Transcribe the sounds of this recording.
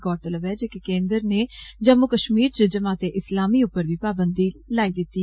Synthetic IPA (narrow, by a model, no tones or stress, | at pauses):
kɔːɖ̚t̪ələbɛːd͡ʒeːkekẽːnd̪əɾneːd͡ʒəmːʊkəʃmiːɾt͡ʃəd͡ʒəmaːt̪eːʔɪslaːmiːʊpːəɾʋiːpaːbənd̪iːlaːid̪ɪt̪ːi